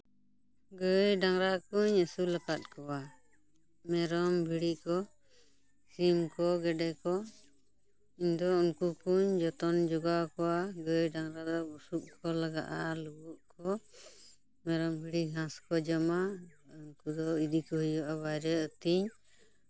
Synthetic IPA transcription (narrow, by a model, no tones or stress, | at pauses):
ɡəjɖaŋɾakuɲəsulakat̪̚kɔwa | mɛɾɔmbʱiɽikɔ | simkɔɡɛɖɛkɔ | iɲd̪ɔunkukuɲd͡ʒɔt̪ɔnd͡ʒɔɡakɔwaɡəjɖaŋɾad̪ɔbusuʔ̚kʰɔlaɡa̰ʔalubuʔkʰɔ | mɛɾɔmbʱiɽiɡãskɔd͡ʒəmauŋkud̪ɔid̪ikɔɦijɔʔaβajɾɛət̪iɲ